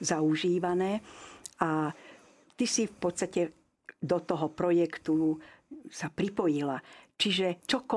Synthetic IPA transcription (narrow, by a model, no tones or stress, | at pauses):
zauʒiːʋanɛːʔa | t̪isifpɔt̪st̪acɛ | d̪ɔt̪ɔɦɔpɾɔjɛkt̪u | sapɾipɔjilat͡ʃiʒɛt͡ʃɔkɔ